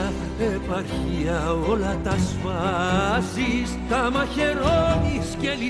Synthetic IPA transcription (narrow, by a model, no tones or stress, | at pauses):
epɐɾçiɐolɐt̪ɐsfɐzist̪ɐmɐçeɾonisceli